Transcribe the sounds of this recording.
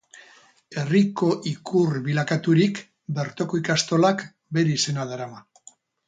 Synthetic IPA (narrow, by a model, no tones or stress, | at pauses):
e̞riko̞ʔikʰurβilakat̪uɾik | be̞ɾt̪o̞ko̞ikast̪o̞lak | be̞ɾeise̞naðaɾama